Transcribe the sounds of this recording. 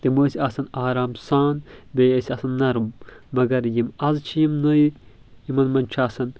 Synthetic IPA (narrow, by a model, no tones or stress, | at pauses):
t̪emosiɐsɐnaːɾaːmsaːnbeːesiɐsɐnːɐɾumːɐɡɐɾjimɐzt͡ʃʰijimnoj | jimɐnmɐnt͡ʃʰaːsɐn